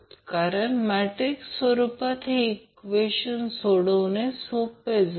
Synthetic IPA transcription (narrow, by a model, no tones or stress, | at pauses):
t̪kaɾəɳmæʈɾiksʋəɾupat̪ʰeːkʋeɕənsoɽəʋnesoped͡z